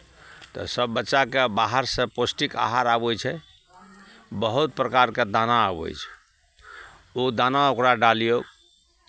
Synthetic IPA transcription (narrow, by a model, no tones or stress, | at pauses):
t̪ɔ̰səbːətːʃakebaɦəɾsə̃posʈika̰ɦaɾabojt͡ʃʰɛ | bəɦut̪̚pɾəkaɾked̪anaabo̰jt͡ʃʰ | od̪anaokɾaɖalijo